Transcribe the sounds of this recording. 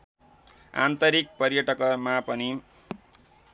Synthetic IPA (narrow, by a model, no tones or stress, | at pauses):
a̰nt̪ʌɾik̚pʌɾjʌʈʌkʌmapʌni